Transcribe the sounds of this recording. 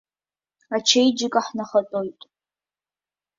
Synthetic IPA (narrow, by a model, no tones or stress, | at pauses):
at͡ʃʰejd͡ʒɪkʼaħnaχɐtʼojtʼ